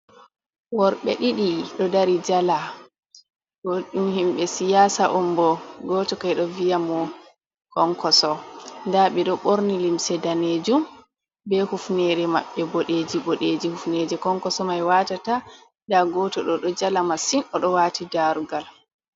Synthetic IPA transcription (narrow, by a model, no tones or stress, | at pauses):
wɔɾɓɛ̰ɗiɗiɗɔdaɾid͡ʒala | ɡoɗumhimɓɛsijaːsaʔɔmbɔɡɔtɔkajɗɔvijamɔ | kɔŋkɔsɔndaɓɛɗɔɓoɾnilimsɛdaned͡ʒum | bɛhufnɛɾɛma̰ɓːɛbɔɗed͡ʒibɔɗeːd͡ʒihufned͡ʒɛkɔŋkɔsɔmajwatata | ndaɡɔtɔɗɔɗɔd͡ʒalamasinɗɔɗɔwaːtidaɾuɡal